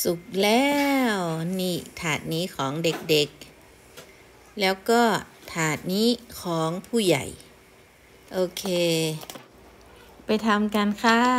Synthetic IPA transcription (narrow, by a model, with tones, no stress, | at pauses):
su˨˩k̚lɛː˧˥wniː˧˩t̪ʰaː˨˩t̪̚niː˦˥kʰɔː˩˦ŋde˨˩k̚de˨˧˦k̚ | lɛː˦˥wkɔː˥˩t̪ʰaː˨˩t̪̚niː˦˥˨kʰɔː˩˦ŋpʰuː˧˩ja̰˨˩j | ʔoː˧kʰeː˧ | pa˧jt̪ʰa˧mka˧nkʰa˧˥˩